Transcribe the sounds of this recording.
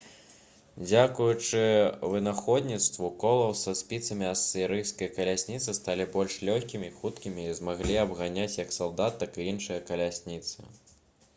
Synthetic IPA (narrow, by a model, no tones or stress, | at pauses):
d͡zʲakujut͡ʂɨvɨnaxɔd̪ʲnʲit̪st̪vukɔlˠɐwsɐsʲpʲit̪sɐmʲiɐsɨɾɨjskɐjkɐlʲasʲnʲit̪sɨst̪alʲibɔlʲʂlʲɔxʲkʲimʲiːxut̪kʲimʲiːzmaɣlʲiɐbɣanʲat͡sʲjɐksalˠd̪at̪ːakɨjinʂɨjɐkɐlʲasʲnʲit̪sɨ̰